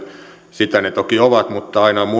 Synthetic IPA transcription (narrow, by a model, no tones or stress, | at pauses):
sit̪ænet̪okioʋɑt̪mut̪ːɑɑinɑmu